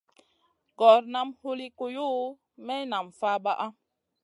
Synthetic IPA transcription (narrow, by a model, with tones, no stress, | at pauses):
ɡɔ˨ɾna˦mhu˦li˦ko˨ju˦ | mɛ˦na˨mfa˦ba˦ʔa˦